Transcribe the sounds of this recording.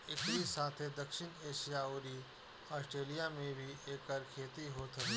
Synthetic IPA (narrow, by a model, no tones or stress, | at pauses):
ɪkɾisaːt̪ʰed̪ɐkʃɪñeːʃijaoːɾi | aːsʈɾeːlijamẽbʱieːkːaːɾkʰeːt̪iɦoːt̪ʰɐ